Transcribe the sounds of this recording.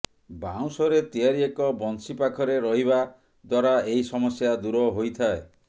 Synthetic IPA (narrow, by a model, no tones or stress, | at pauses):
baw̃sɔɾet̪iaɾiekɔbɔnsipakʰɔɾeɾɔɦiba | d̪waɾaejsɔmɔsjad̪uɾɔɦojt̪ʰae